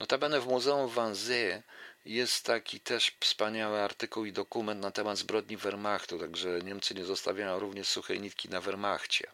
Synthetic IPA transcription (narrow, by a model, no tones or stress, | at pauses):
nɔt̪abɛnɛvmuzɛumvanzɛjɛst̪ːakʲit̪ɛʂfspaɲawɘaɾt̪ɘkuwid̪ɔkumɛnt̪nat̪ɛmad̪zbɾɔd̪̚ɲivɛɾmaxt̪ut̪aɡʐɛɲɛmt̪sɘɲɛzɔst̪a̰vʲjajɔ̃w̃ɾuvɲɛʂsuxɛ̰ɲit̪̚kʲinavɛɾmaxt͡ɕɛ̰